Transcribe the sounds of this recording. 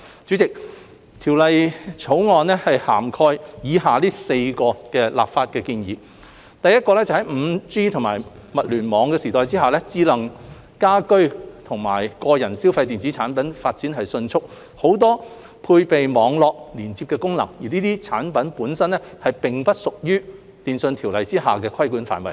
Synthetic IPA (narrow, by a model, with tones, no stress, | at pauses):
t͡syː˨˥t͡sɪ˨k̚ | t̪ʰiː˨˩wlɐ˨jt͡sʰo˨˥wŋɔː˨˧nɛ˥hɐ˨jha̰ː˨˩mkʰɔː˧jjiː˨˧˥ɦaː˨liː˥se˧jkɔː˧kɛː˧la̰ː˨pfaː˧t̚kɛː˧kiː˧njḭː˨˧˦ | t̪ɐ˨jɐ˥t̚kɔː˧lɛː˥t͡sɐ˨whɐ˨˥jm̩˨˧t͡siː˥t̪ʰŋma̰ː˨˩j | mɐ˨t̚lyː˨˩nmɔː˨˧ŋkɛː˧siː˨˩t̪ɔː˨jt͡siː˥ɦaː˨lɛː˥t͡siː˨˥lɐ˨˩ŋ | kaː˥kɵ˥ɥt̪ʰʊ˨˩ŋma̰ː˨˩jkɔː˧jɐ˨˩nsi˥wfɐ˧jt̪iː˨nt͡siː˨˥t͡sʰaː˨˥npɐ˨˥nfaː˧t̚t͡siː˨˥nɦɐ˨jsɵ˧nt͡sʰʊ˥k̚ | ho˨˥wt̪ɔː˥ | pʰuː˧jpe˨jmɔː˨˧ŋlɔː˨k̚liː˨˩nt͡si˧pkɛː˧kʊ˥ŋlɐ˨˩ŋjiː˨˩niː˥t̪iː˥t͡sʰaː˨˥npɐ˨˥npuː˨˥nsɐ˥nɛ˥hɐ˨jpɪ˨ŋpɐ˥t̚sʊ˨k̚jyː˥ | t̪iː˨nsɵ˧nt̪ʰi˨˩wlɐ˨jt͡siː˥ɦaː˨kɛː˧kʰɐ˥jkuː˨˥nfa̰ː˨˩nwɐ˨˩j